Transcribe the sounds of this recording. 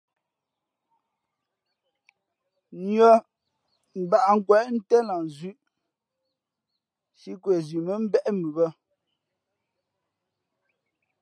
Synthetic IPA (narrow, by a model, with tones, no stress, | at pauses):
nɔ˨ | m̩˨ba˨ʔŋ̩˦˨kwɛ˨ʔn̩˦tɛ˦la˨n˨zʉ˦˨ʔ | si˦kwe˨zi˨mə˨˦m̩˦bɛ˦ʔmʉ˨bə˦